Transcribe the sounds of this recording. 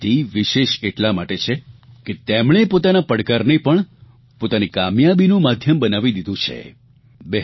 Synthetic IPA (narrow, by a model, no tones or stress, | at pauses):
t̪iʋiʃeʃeʈlamaʈet͡ʃʰe | ket̪emɳepot̪anapəɽkaɾnepəɳ | pot̪anikamjabinũmad̪ʱjəmbənaʋid̪id̪ũt͡ʃʰḛ | bɛ